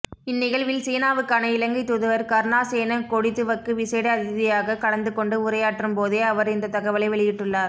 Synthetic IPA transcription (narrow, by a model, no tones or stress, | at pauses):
ɪnːɪɣɐɭʋɪlseːnaːʋɯkːaːnɐɪlɐŋɡɐɪt̪ːʊðɯʋɐɾkɐɾnaːseːnɐkɔɽɪt̪ːɯʋɐkːɯʋɪseːɽɐɐðɪðɪjaːɣɐkɐɽɐnd̪ɯkːɔɳɖɯʊɾɐjaːʈrɯmpoːðeːɐʋɐɾɪnd̪ɐt̪ɐɣɐʋɐlɐɪʋɛɭɪjɪʈːɯɭːaːɾ